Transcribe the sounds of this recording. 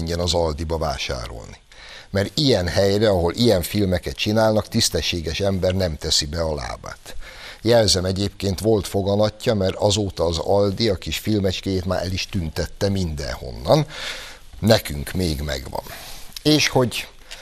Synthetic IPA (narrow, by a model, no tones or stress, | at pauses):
ɲɟɛnɒzɒld̪ibɒva̰ːʃa̰ːɾo̞̰lni | mɛɾijɛnhɛjrɛɒɦo̞lʔijɛɱfilmɛkɛt̪t͡ʃinaːlnɒkt̪ist̪ɛʃːeːɡɛʃɛmbɛrnɛmt̪ɛsibɛɒla̰ːba̰ːt̪jɛlzɛmɛɟeːp̚keːnt̪ʋo̞lt̪fo̞ɡɒnɒcːɒmɛɾɒzoːt̪ɒːzɒld̪iɒkiʃfilmɛt͡ʃkɛjeːt̪maːɾʔɛliʃt̪ynt̪ɛt̪ːɛmind̪ɛ̰nho̞̰nːɒnː | ɛkyŋkmeːɡmɛ̰ɡʋɒ̰neːʃho̞ɟ